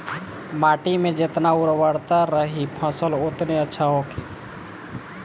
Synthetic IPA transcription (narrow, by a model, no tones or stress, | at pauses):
maːʈimẽd͡ʒɪt̪naʊɾwəɽt̪aɾəɦipʰəsəlʊt̪neətːʃʰaɦoːkʰi